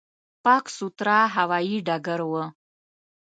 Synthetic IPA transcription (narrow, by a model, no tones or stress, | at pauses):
pakʷʰsutʰɾaːħawajiɖaɡəɾwa